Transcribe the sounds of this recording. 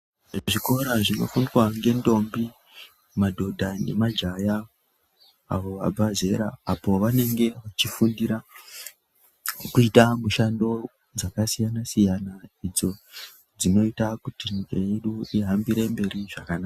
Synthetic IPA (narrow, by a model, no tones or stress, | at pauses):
ʐiko̞ɾaʐino̞̰funirwaŋɡe̞ndo̞mbi | madʱo̞dʱane̞̰mad͡ʒaja | ʋo̞ʋa̰bʱaze̞ɾa̰apo̞ʋane̞ŋɡe̞ʋat͡ʃifundiɾa | kut͡ʃitamuʃando̞ | d͡zakasijanasijanaid͡zo̞ | d͡zino̞itakutiɲikaje̞ɗuiɦambiɾembe̞ɾiʐakanaːka